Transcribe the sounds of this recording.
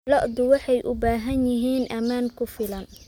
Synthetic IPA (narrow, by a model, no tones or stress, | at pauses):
lɔʔd̪ʊwɑħɑjʔʊbaːɦɐnjɪɦiːnʔɐmaːŋkʰʊfɪlɐn